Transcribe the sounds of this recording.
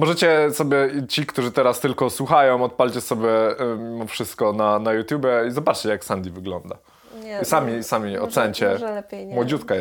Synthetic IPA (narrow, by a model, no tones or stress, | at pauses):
mɔʐɛt͡ɕɛsɔbʲjɛt͡ɕikt̪uʐɘt̪ɛɾast̪ɘlkɔswuxajɔ̃w̃ɔt̪̚palʲt͡ɕɛsɔbʲjɛmʲimɔfʂɘst̪̚kɔnanajut̪ʲjubʲjɛizɔbat͡ʂt͡ɕɛjaksand̪ʲivɘɡlɔnd̪a̰ | isamʲisamʲiɔ̰t̪sɛɲt͡ɕɛmɔd͡ʑut̪ka